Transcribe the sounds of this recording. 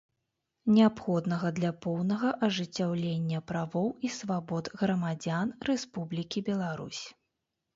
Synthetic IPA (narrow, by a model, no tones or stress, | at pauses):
nʲɛapxɔd̪nɐɣɐd̪lʲɐpɔwnɐɣɐʔɐʐɨt͡sʲːawlʲenʲːɐpɾavɔwisvabɔd̪ɣɾɐmad͡zʲanrɛspublʲikʲibʲɛlˠaɾṵsʲ